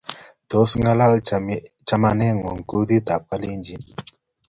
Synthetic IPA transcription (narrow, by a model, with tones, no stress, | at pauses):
d̪̥o˨˦sŋa˦la˦lt͡ʃa˦ma˧ne˦ŋo˨ŋku˦d̪i˦t̪a˨p̚ka˦li˦nd͡ʒi˨n